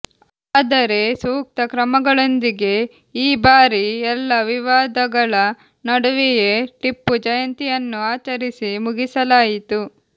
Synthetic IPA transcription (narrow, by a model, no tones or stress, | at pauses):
aːd̪ɐɾe̞suːk̚t̪ɐkɾɐmɐɡɐɭo̞nd̪iɡe̞ | iːbaːɾiɛlːɐʋiʋaːd̪ɐɡɐɭɐ | nɐɽuʋijeʈipːud͡ʒɐjɐnt̪ijɐnːuaːt͡ʃɐɾisimuɡisɐlaːjit̪u